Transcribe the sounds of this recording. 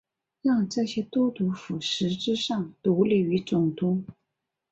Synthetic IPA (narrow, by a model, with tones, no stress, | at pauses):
ɻɑ˥˧ŋʈ͡ʂa˥˩ɕjɛ˥t̪wɔ˥t̪u˧˥fu˨˩ʂɻ̩˧˥ʈ͡ʂɻ̩˥ʂɑ˥˩ŋt̪u˧˥li˥˩y˧˥t͡sʊ˨˩ŋt̪ʰʊ˥ŋ